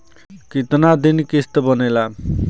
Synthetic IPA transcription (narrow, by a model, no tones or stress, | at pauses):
kit̪nad̪inikist̪ʌbʌnela